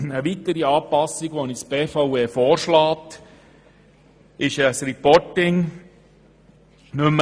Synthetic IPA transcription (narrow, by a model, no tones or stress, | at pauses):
əʋitəɾiɑːpɑsiɡʋɔnisb̥eːfaweːfɔːɾʃlɑːt | ʔɪʃəsɾɛpɔtɪŋ | nɵm